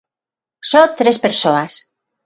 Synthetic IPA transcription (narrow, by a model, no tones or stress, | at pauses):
sot̪ɾespeɾsoas